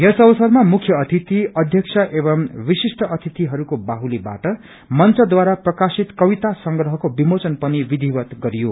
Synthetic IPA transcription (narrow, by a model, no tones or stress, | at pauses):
esʌbʌsʌrmamukʰjʌːt̪ʰit̪iʌd̪ʱjʌksʰʌʔebʌmwisisʈʰʌʌt̪ʰit̪iɦʌɾukobaɦuliba̰ʈʌ | mʌnt͡sʌd̪waɾaprʌkasit̪kʌbit̪asʌŋɡɾʌɦʌkobimot͡sʌnpʌnibid̪ʱibʌt̪ɡʌɾijo